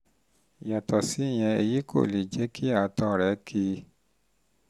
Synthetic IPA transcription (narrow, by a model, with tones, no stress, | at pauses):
ja˨tɔ˨si˨˦˨j̃ɛ̃˧e˧ji˦kʰo̰˦˨li˨d͡ʒɛ˨˦kʰi˦a˨tɔ˧˨ɾɛ˨˦kʰi˧˦